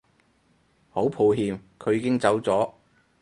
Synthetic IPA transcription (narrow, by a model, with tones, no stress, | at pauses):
ho˨˥wpʰu˨˧wɦiː˧mkʰɵ˨˧ɥjiː˧˥kɪ˥ŋt͡sɐ˨˥wt͡sɔː˨˥